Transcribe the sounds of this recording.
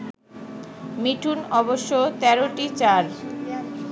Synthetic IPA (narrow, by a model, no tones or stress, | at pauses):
miʈʰunɔboʃːot̪ɛɾoʈit͡ɕaɾ